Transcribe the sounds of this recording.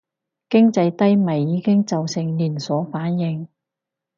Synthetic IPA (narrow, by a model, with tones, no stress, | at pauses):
kɪ˥ŋt͡sɐ˧jt̪ɐ˥jmɐ˨˩jiː˨˧kɪ˥ŋt͡sɐ˨wsɪ˨˩ŋliː˨˩nsɔː˨˥faː˨˥njɪ˨˧ŋ